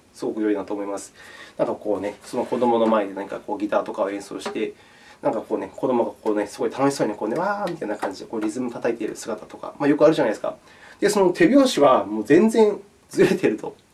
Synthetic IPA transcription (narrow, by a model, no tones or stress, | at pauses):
sɨɡo̞kɯ̟jo̞inat̪o̞ːmo̞imasɨ̥nãŋkako̞ːne̞so̞noko̞d̪o̞mo̞no̞maed̪e̞naɲ̟ikako̞ːɡʲit̪aːt̪o̞kaoẽ̞ɰ̃so̰ːɕi̥t̪e̞ | nãŋkako̞ːne̞ko̞d̪o̞mo̞ɡakʰoːne̞sɨɡo̞it̪ano̞ɕisoːiekoːne̞βaːmʲit̪ainakãɲ̟d͡ʑid̪e̞ko̞ːɾʲizɨmɯ̟t̪at̪ait̪e̞ɾɯ̟̰sɨɡat̪at̪o̞ka̰majo̞kɯ̟aɾɯ̟ʑanajid̪esɨ̥ka̰ | d̪̥eso̞no̞t̪ʰe̞bʲjo̞ːɕiβamoːzẽ̞nd͡zẽ̞ɰ̃ | d͡zɨɾe̞t̪e̞ɾɯ̟t̪o̞̰